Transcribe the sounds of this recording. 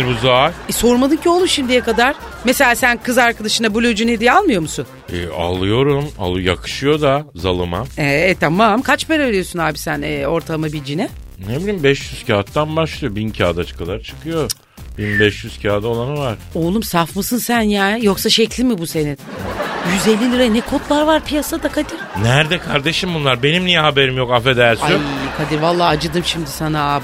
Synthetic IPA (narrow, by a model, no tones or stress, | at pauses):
ɾbuzajɛso̞ɾmad̪ɯmcʰio̞lˠumʃimd̪ijɛkad̪aɾ̥ | mese̞lʲaːsænkʰɯzaɾkad̪aʃɯnabulʲød͡ʒuned̪ijɛalˠmɯjo̞musun | ɛa̰lˠɯjo̞ɾuma̰lˠɯjakʰɯ̥ʃɯjo̞d̪azalˠɯmamɛt̪ʰːamamkʰat͡ʃpeɾeveɾijo̞sunhaːbisænɛːo̞ɾt̪ʰalˠmabilʲd͡ʒinɛ | hebilʲimbɛʃjyz̥cʰaːt̪ːanbaʃlˠɯjo̞bincʰaːd̪at͡ʃʰkʰad̪aɾt͡ʃʰɯ̥kʰɯjo̞ | b̥inbɛʃjyz̥cʰaːd̪aolˠanɯvaɾ̥o̞ːlˠumsafmɯsɯnsænjaːnjo̞ksaʃɛclʲimibuse̞ninjyzelʲːilʲiɾanɛkʰo̞t̪lˠaɾvaɾpʰijasad̪akʰad̪iɾ̥næɾd̪ɛkʰaɾd̪e̞ʃimbunlˠaɾbe̞nimnijɛɦabe̞ɾimjo̞kafɛd̪æɾʲsaykʰad̪iɾvalˠːaːd͡ʒɯd̪ɯmʃimd̪isana